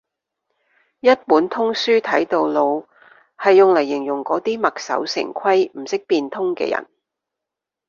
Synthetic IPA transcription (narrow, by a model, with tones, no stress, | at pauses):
jɐ˥t̚puː˨˥nt̪ʰʊ˥ŋsyː˥t̪ʰɐ˨˥jt̪o˨wlo˨˧w | hɐ˨jːʊ˨ŋlɐ˨˩jɪ˨˩ŋjʊ˨˩ŋkɔː˨˥t̪iː˥mɐ˨k̚sɐ̰˨˥wsɪ̰˨˩ŋkʷʰɐ˥jm̩˨˩sɪ˥k̚piː˧nt̪ʰʊ˥ŋkɛ̰ː˧jɐ̰˨˩n